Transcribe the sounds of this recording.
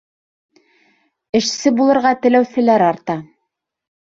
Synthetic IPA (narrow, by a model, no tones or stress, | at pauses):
ɘ̆ʃsɘbulˠɤ̆ɾʁɑt̪ɘ̆læwθɘ̆læɾɑɾt̪ɑ